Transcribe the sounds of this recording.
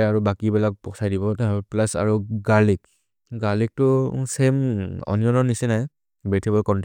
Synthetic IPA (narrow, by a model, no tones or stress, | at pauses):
aɹubakibɛlak̚pɔsajdibɔtaplasa̰ɹuɡalik | ɡalik̚tʊsemɔ̰nijɔnɔnisɛnaj | bɛtʰibɔlkɔnt